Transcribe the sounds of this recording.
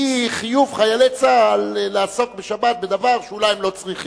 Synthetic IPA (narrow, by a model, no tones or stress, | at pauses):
iχijuvχajalet͡salːaːso̞k̚beʃabat̪̚bed̪avaʁʃeulajimlo̞t͡sʁiχi